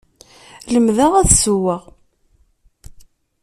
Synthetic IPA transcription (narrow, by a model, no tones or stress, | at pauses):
ləmðaʁæðsuwəʁ